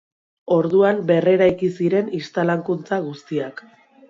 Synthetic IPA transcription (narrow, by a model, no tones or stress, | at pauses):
o̞ɾðuambe̞re̞ɾajkisiɾe̞nist̪alaŋkunt͡saɣ̞ust̪iak